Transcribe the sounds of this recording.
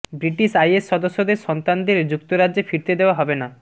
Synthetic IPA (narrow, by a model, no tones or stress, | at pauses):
bɾiʈiʃajesːɔd̪osːod̪eɾʃɔnt̪and̪eɾd͡ʑukt̪oɾad͡ʑefʰiɾt̪ed̪eoaɦɔbena